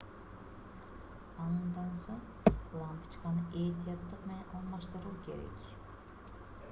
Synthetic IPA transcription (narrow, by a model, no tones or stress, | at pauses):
ɑnɯnd̪ɑnsoɴ | lˠɑmkə̥t͡ʃqɑnɯʔejt̪ijɑt̪ːɯqme̞nenʔɑlˠmɑʃt̪ɯɾɯlˠke̞̰ɾḛkʲ